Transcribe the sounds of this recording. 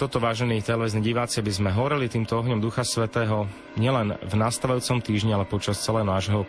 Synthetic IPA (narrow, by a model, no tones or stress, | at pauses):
t̪ɔt̪ɔʋaːʒɛnit̪ɛlɛʋiznɛɟiʋaːt͡sɪabizmɛɦɔʋɔɾilit̪iːmt̪ɔɔɦɲɔmd̪uxasʋɛt̪ɛːɦɔ | ɲɪɛlɛnvnast̪aʋajuːt͡sɔmt̪iːʒɲialɛpɔt͡ʃast͡sɛlɛːɦɔnaːʒɦɔ